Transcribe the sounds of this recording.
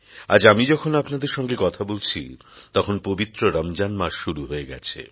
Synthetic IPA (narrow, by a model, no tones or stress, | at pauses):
ad͡ʑamid͡ʑɔkʰonapnad̪eɾʃɔŋɡekɔt̪ʰabolt͡ɕʰḭ | t̪ɔkʰonpobit̪ːɾoɾamd͡ʑanmaʃʃuɾuɦoeɡɛ̰t͡ɕʰḛ